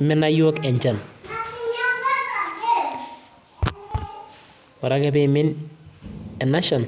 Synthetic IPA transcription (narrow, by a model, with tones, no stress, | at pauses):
mɪ˦na˦jo˦kɛ˨ɲd͡ʒa˨n | ɔ˨ɾa˦kɛ˨be˨mɪ˦n | ɛ˨na˦ʃɔ˨n